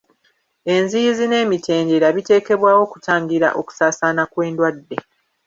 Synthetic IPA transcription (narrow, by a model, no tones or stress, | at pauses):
e̞nzizine̞ːmitʰe̞ːɲɟe̞ɾaβite̞ːke̞βwaːwo̞ːku̥taːŋɡiɾa̰ʔoku̥saːsaːnakwe̞ːndwadːe̞